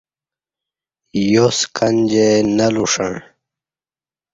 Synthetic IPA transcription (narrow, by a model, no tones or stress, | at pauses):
joskɐnd͡ʑenɐluʂaɳ